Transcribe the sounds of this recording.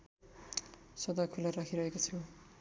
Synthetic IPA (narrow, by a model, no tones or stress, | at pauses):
sʌd̪ʌkʰulaɾakʰiɾʌɦekot͡sʰu